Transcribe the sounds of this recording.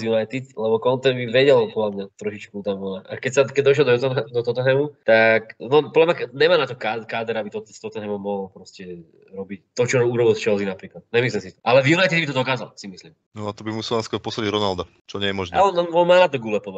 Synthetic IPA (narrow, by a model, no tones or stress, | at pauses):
junajt̪it̪lɛbɔkɔnt̪ɛbiʋɛɟɛlpɔd̪lamɲat̪ɾɔʃit͡ʃkut̪amʋɔnaʔa̰kɛcsakɛɟd̪ɔʃ̬lɛld̪ɔt̪ɔd̪ɔt̪ɔt̪ɔɦɛmut̪aknɔpɔd̪lamɲaɲɛmaːnat̪ɔkaːkaːd̪ɛɾabit̪ɔt̪st̪ɔt̪ɔɦɛmɔmɔɦɔlpɾɔscɛ | ɾɔbict̪ɔt͡ʃɔɾuɾɔbilˠt͡ʃɛzinapɾiːklat̪̚ɲɛmis̬limsit̪ɔ̥ʔalɛvjunajt̪id̪bit̪ɔd̪ɔkaːza̰lsimisliːm | nɔat̪ɔbimusɛlaaskɔɾpɔsaɟiɾɔnald̪a | t͡ʃɔɲɪɛjɛmɔʒna̰ɔnɔnmaːnat̪ɔɡulɛpɔʋac